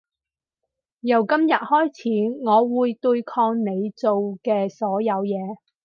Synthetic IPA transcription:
jɐ˨˩wkɐ˥mjɐ˨t̚hɔː˥jt͡sʰiː˨˥ŋɔː˨˧wuː˨˧jt̪ɵ˧jkʰɔː˧ŋne˨˧jt͡so˨wkɛː˧sɔː˨˥jɐ˨˧wjɛː˨˧

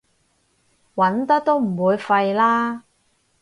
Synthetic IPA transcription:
wɐ˨˥nt̪ɐ˥k̚t̪o˥wm̩˨˩wuː˨˧jfɐ˧jlaː˥

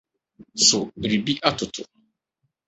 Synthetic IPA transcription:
sʊ˨ɾi˨bi˦ʔa˦tʰʊ˨tʰʊ˨

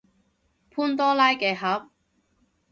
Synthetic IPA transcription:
pʰuː˥nt̪ɔː˥laː˥jkɛː˨˧˩ɦɐ˨˥p̚

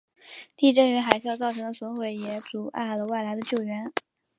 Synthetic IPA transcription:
t̪i˥˧ʈ͡ʂɤ˥˩ŋy˧˥xa˨˩ɪɕjɑ˥˧ʊt͡sɑ˥˩ʊʈ͡ʂʰɤ˧˥ŋd̪ə˧swɔ˧˥nxwe˨˩ɪjɛ˧˥t͡su˨˩ʔa̰˥˩ɪlə˩wa˥˩ɪla˧˥ɪd̪ə˧t͡ɕjo˥˩ʊɥɛ˧˥n

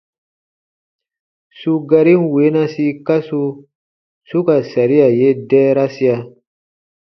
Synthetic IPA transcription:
su˧ɡa˧ɾi˦nwe˨˦nã˦si˧ka˦su˧ | su˦ka˨sa˨ɾi˦ja˨je˦dɛː˦ɾa˦si˦a˧

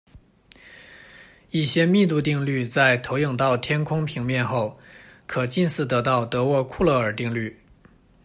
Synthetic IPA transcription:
i˥˩ɕjɛ˥mi˥˧t̪̬u˥˧t̪̬i˥˧ŋly˥˧t͡sa˥˩ɪt̪ʰo˧˥ʊjɤ˨˩ŋt̪ɑ˥˩ʊt̪ʰjɛ˥nkʰʊ˥ŋpʰi˧˥ŋmjɛ˥˧nxo˥˩ʊkʰɤ˨˩t͡ɕi˥˧nsɹ̩˥˩t̪ɤ˧˥t̪ɑ˥˩ʊt̪ɤ˧˥wɔ˥˧kʰu˥˧lɤ˥˩ə˞˨˩t̪i˥˧ŋly˥˩

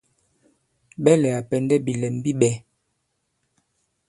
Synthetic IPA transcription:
ɓɛ˦lɛ˨a˨pɛ˨ndɛ˦bi˨lɛ˨m˦bi˦ɓɛ˨˦

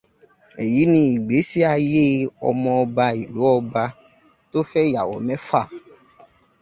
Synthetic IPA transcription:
ɛ˨ji˨˦nĩ˧i˨ɡ͡be˨˦si˦a˧je˦ɔ̰˧mɔ̃˧ɔ˧ba˧i˨lu˨˦ɔ˧ba˧ | to˦fɛ˦ja˨wɔ̰˨˦mɛ̃˦fa˦˨

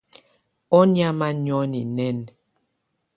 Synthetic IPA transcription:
ɔ˦ni˦a˦ma˦ɲɔ˦ni˨nɛ˦˨n

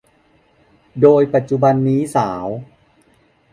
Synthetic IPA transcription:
doː˧jpa˨˩t̪̚t͡ɕu˧ba˧nːiː˦˥saː˩˦w

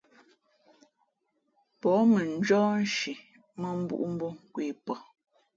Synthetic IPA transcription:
pɔ˨˦mə˨n˦d͡ʒɔː˦n̩˦ʃi˨ | mə˦m̩˦bṵ˦ʔu˦m̩˦bo˦ŋ˨kwiː˦˨pɔ˨

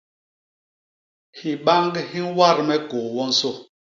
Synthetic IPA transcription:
hi˨ɓa˦ŋɡhi˦wa˦˨ɾmɛ˦ko˨wɔ˦n̩˦so˦

